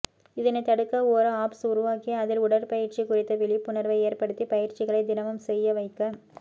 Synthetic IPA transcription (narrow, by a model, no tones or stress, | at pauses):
ɪðɪnɐt̪ːɐɽɯkːɐoːɾɐaːpsʊɾʊʋaːkɪjɐɐðɪlʊɽɐɾpɐjɪɾt͡ʃikʊrɪt̪ːɐʋɪɭɪpːʊnɐɾʋɐɪeːrpɐɽɯt̪ːipɐjɪɾt͡ʃɪɣɐɭɐɪd̪ɪnɐmɯmsɛjːɐʋɐɪkːɐ